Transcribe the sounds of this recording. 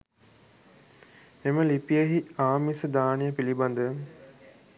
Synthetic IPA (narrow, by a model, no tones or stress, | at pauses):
eməlipijəɦiaːmisəd̪aːnejəpiliband̪ə